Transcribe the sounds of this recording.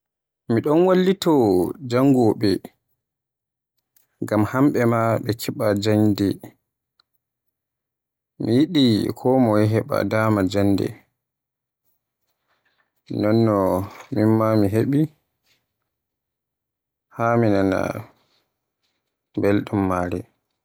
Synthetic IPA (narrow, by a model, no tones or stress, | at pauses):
miɗɔnwalːitɔd͡ʒaŋɡɔɓɛ | ɡamhamɓɛmaɓɛkʰiɓad͡ʒaɲdɛ | mijiɗikʰɔmɔjɛɦɛɓa̰daːmad͡ʒanːdɛ̰ | nɔnːɔminmamiɦeɓi | haminana̰ | belɗumːaːɾɛ